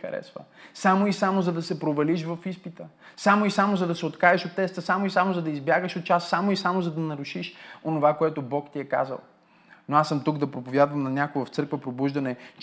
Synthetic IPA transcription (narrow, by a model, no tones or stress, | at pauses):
ɐ̰ɾɛ̰svə̰samoisamozɐd̪ɐsɛpɾovɐliʃvɐfispit̪əsamoisamozɐd̪ɐsɛot̪kaəʃot̪ːɛst̪əsamoisamozɐd̪ɐizbjaɡəʃot̪̚t͡ʃasːamoisamozɐd̪ɐnɐɾʊʃiʃonovakoɛt̪ʊbɔkt̪iɛka̰zə̰lˠ | noasəmt̪uɡd̪ɐpɾopovʲjad̪vɐmnɐnʲakoɡvɐft̪sɤɾkvəpɾobuʒd̪ɐnɛt͡ʃ